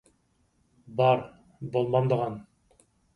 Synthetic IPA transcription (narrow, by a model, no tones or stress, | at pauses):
bɑɾ | bolˠmɑmd̪ɤʁɑn